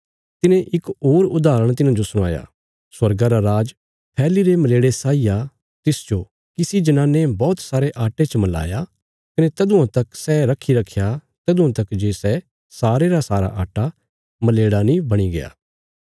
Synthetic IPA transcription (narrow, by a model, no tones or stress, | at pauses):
t̪ɪnẽʔɪkoːɾʊd̪aːɾəɽ̃t̪̬ɪnãːd͡ʒosʊɽ̃aːja̰ː | swɐɾɡaɾaɾaːd͡ʒ | pʰɛːliɾemɐleːɽesaːija | t̪ɪsd͡ʒo | kɪsid͡ʒɐnaːnːebɔːt̪saːɾeʔaːʈet͡ʃəmɐla̰ːja | kɐnet̪ɐd̪uãt̪ɐksɛɾɐkʰːiɾɐkʰːjat̪ɐd̪ũãt̪ɐkd͡ʒeːsɛ | saːɾeɾasaːɾa̰ʔaːʈa | mɐleːɽanĩbɐɽ̃iɡḛja̰ː